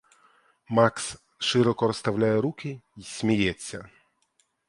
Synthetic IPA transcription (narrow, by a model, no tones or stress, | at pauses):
maks | ʂɨɾɔkɔɾɔst̪awlʲajɛɾukʲɪisʲmʲijɛt͡sʲːɐ